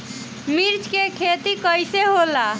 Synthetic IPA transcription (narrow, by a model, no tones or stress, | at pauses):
miɾt͡ʃkekʰet̪ikəjseɦola